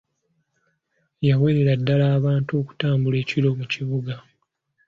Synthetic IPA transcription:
jawe̞ɾeɾadːalaːβaːnto̞ːku̥taːmbule̞ːcilo̞muciβuɡa

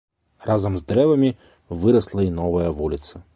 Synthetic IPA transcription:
razɐmzd̪ɾɛvɐmʲi | vɨɾɐslˠɐinɔvɐjɐvulʲit̪sɐ

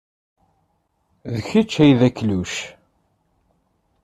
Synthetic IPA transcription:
ðəçit͡ʃːæjðækːluʃ

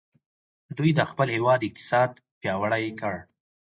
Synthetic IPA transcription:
d̪ujd̪əxpəlhewɑd̪ɪq̚t̪ɪ̥sɑd̪̚ | pjɑwaɽajkəɽ

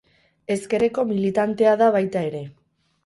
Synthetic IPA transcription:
e̞ske̞ɾe̞ko̞milit̪ant̪e̞aðaβajt̪ae̞ɾe̞

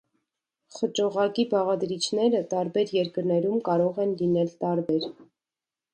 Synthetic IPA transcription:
χət͡ʃɔʁɑkibɑʁɑd̪ɾit͡ʃʰnɛɾət̪ɑɾbɛɾjɛɾkəɾnɛɾumkɑɾɔʁɛnlinɛlt̪ɑɾbɛɾ

